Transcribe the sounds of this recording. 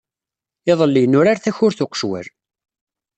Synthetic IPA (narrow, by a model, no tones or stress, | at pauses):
ɪðˤəlːinʊɾaɾθæçʊɾθʊqə̥ʃwæ̰ɾ